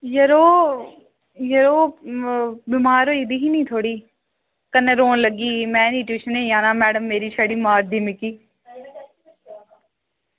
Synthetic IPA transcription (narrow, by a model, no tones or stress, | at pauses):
jəɾoː | jəɾoː | bimaːɾoːiːd̪iɦiːnĩːt̪ʰoːɽiː | kənːeɾoːnləɡiːmɛ̃ːniːʈjuːʃənẽːjãːnãːmɛːɖəmːeːɾiːʃaɽiːmaːɾd̪iːmɪkiː